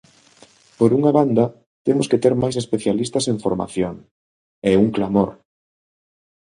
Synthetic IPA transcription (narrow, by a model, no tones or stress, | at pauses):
poɾuŋaβand̪ɐ | t̪emʊsket̪eɾmajs̬espeθjalist̪ɐseɱfoɾma̰θjoŋ | ɛuŋklamoɾ